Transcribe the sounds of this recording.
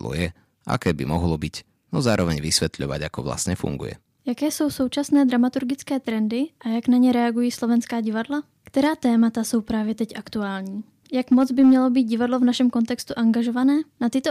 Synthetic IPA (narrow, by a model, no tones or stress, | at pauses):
lɔ̰jɛ | ʔa̰kɛːbḭmɔɦlɔbic | nɔzaːɾɔʋɛɲʋisʋɛt̪ʎɔʋa̰ɟakɔʋla̰sɲɛfṵŋɡṵjɛ̰ | jakɛːso̞wso̞wt͡ʃasnɛːd̪ɾamat̪uɾɡɪt͡skɛːt̪ɾɛndɪʔajaknaɲɛɾɛaɡujiːslovɛnskaːɟɪvadla | kt̪ɛɾaːt̪ɛːmat̪aso̞wpɾaːvjɛt̪ɛcʔakt̪uaːlɲiː | jakmɔd͡zbɪmɲɛlobiːt̪̚ɟɪvadlovnaʃɛmko̞nt̪ɛkst̪uʔaŋɡaʒovanɛːnat̪ɪt̪o